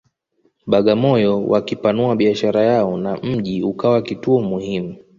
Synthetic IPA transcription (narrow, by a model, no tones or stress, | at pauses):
ɓaɠamɔjɔwʔakipanuaɓiaʃaɾajaɔnam̩ʄiukawakituɔmuhimu